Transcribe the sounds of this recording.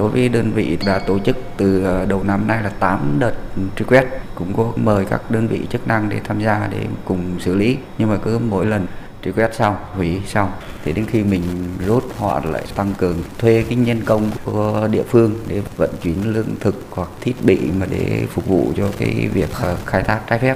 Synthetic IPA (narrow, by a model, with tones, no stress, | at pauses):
ɗo˨˦jvəː˨˦jɗəː˧nvḭ˧˨ɗla̰ː˧˩t̪o˧˩t͡ɕɨ˦˥k̚t̪ɨ˨˩˨ɗə˨˩wna˧mna˧jlaː˨˩t̪aː˨˦mɗəː˨˩t̚ti˧kwɛ˦˥t̚kʊ̰˧˥ŋ͡mkɔ˨˦məː˨˩jka̰ː˦˥k̚ɗəː˧nvḭ˧˨t͡ɕɨ˦˥k̚na˧ŋɗe˧˩t̪ʰaː˧mzaː˧ɗḛ˧˩kʊ˨˩ŋ͡msɨ˧˩li˨˦ɲɨ˧ŋmaː˨˩kɨ˨˦mo̰˧˥jlə˨˩n | ti˧kwɛ˦˥t̚sa˧whwi˨˦sa˧wt̪ʰi˨˩ɗe˨˦nxi˧mï˨˩ŋ̟zu˦˥t̚hwa̰˧˨la̰ː˧˨jt̪a˧ŋkɨ˨˩əŋt̪ʰwe˧kaː˨˦jɲə˧nkə˧wŋ͡mku˧˩ə˦ɗḭ˧˨əfɨ˧əŋɗe˧˩və̰˧˨nt͡ɕwi˨˦ənlɨ˧əŋt̪ʰɨ˨˩k̚hwa˨˩k̚t̪ʰi˦˥ət̚ɓḭ˧˨maː˨˩ɗḛ˧˩fʊ˨˩k͡p̚vṵ˧˨t͡ɕɔ˧ka̰ː˨˦jvi˨˩ək̚ːxaː˧jt̪ʰaː˦˥k̚t͡ɕaː˧jfɛ˦˥p̚